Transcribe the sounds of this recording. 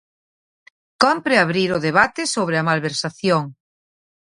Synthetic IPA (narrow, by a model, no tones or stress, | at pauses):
kɔmpɾeaβɾiɾʊðeβ̞at̪ɪsoβɾeɐmalβeɾsaθjoŋ